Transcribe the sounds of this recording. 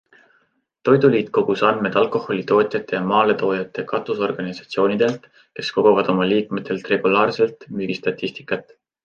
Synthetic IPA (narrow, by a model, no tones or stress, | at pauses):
t̪o̞jd̪̥uliːt̪̚ko̞ɡ̥usɑnme̞d̪̥ɑlkˑo̞ho̞lʲit̪o̞ːt̪ʲˑjɑt̪ːˑe̞jɑmɑːle̞t̪o̞ːjɑt̪ːˑe̞kɑt̪ːˑuso̞rɡ̥ɑnʲisɑ̥t̪sio̞ːnʲid̪̥e̞lt̪ | ke̞sko̞ɡ̥ovɑd̪̥o̞mɑliːkmet̪ːˑe̞lt̪re̞ɡ̥ulɑːrse̞lt̪ˑmyɡ̥ist̪ɑt̪ʲːist̪i̥kˑːɑt̪ːˑ